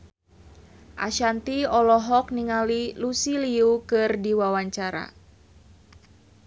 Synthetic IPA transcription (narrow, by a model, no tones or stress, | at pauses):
ʔa̰ʃant̪iɔlɔɦɔk̚niŋalilusiliukɨrdiwawaɲt͡ʃaɾa̰